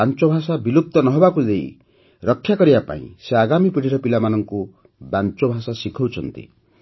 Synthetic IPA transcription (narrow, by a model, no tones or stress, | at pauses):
ant͡ʃɔbʱasabiluk̚t̪ɔnɔɦɔbakud̪ej | ɾɔkʰːjakɔɾibapa̰ḭ̃seaɡamipiɽ̤ʰʱiɾɔpilamanɔŋku | bant͡ʃɔbʱasasikʰɔwt͡ʃʰɔnt̪ḭ